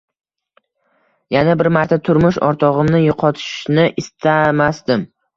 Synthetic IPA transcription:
janabɪɾmaɾt̪ʰat̪ʰʊɾmʊʃɒ̰ɾt̪ʰɒʁɨmnɪjoqʰɒt̪ʰɪ̥ʃnɪʔɪst̪ʰamasd̪ɪm

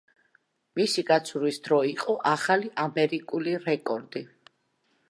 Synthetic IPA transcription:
misiɡat̪sʰuɾisd̪ɾɔiqʼɔʔaχaliʔamɛɾikʼuliɾɛkʼɔɾd̪i

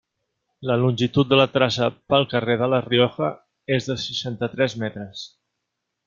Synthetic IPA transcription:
ləlunʲʒit̪ut̪̚d̪ələt̪ɾasəpəlˠkəreðələrioxə | ezðəsəʃant̪ət̪ɾɛzmɛt̪ɾəs

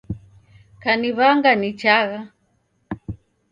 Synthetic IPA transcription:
kaniβaŋɡanit͡ʃaɣa

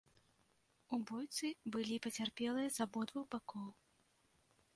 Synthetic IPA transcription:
ubɔjt̪sɨbɨlʲipɐt͡sʲarpʲɛlˠɨjɐzabɔd̪vuxbakɔw

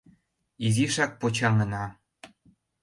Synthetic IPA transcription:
iziʃɑk̚pot͡ɕɑŋənɑ

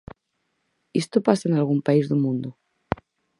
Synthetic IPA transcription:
est̪opasaenalɣ̞umpaizðumũnd̪o

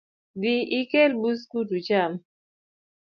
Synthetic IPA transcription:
diikɛlbus̬kutut͡ʃam

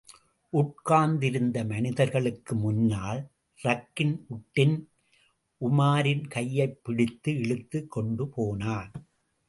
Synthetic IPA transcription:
ʔʊʈ̚kaːnd̪ɪɾɯnd̪ɐmɐnɪðɐɾɣɐɭɯkːɯmʊnːaːl | ɾɐkːɪnʔʊʈːɪn | ʔʊmaːɾɪnkɐjːɐɪpːɪɽɪt̪ːɯɛɭɯt̪ːɯkːɔɳɖɯpoːnaːn

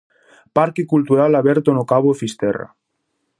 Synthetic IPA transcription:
paɾkekult̪uɾalaβeɾt̪onokaβoefist̪era̰

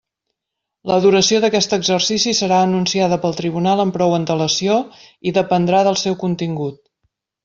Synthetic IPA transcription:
ləðuɾəsioðəkɛst̪əɡzərsisisəɾaənunsiaðəpəlˠt̪ɾiβunalˠəmpɾɔwənt̪ələsio | iðəpənd̪ɾaðəlˠsɛwkunt̪iŋɡut̪̚

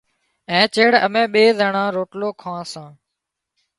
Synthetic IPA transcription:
ɛ̃ːt͡ʃeːɽəmẽːɓeːzəɳãːɾoːʈloːkʰãːsãː

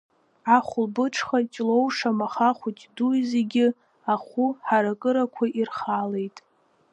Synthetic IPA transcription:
aχʷʊlbɨʈ͡ʂʰχat͡ʃʲʼlo̞wʂamaχaχʷutʼdujzeɡʲɪ | aχʷuħaɾakʼɨɾakʷʰaʔirχale̞jtʼ

